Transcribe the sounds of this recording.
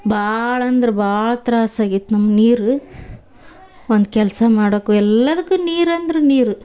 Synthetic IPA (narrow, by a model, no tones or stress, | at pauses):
bʱaːɭɐːnd̪ɐɾebʱaːɭɐt̪ɾaːsaːɡit̪ːunɐmːɐniːɾu | ond̪ukɛlɐsɐmaːɽoːkːuɛlːɐd̪ɐkːuniːɾɐnd̪ɾeniːɾu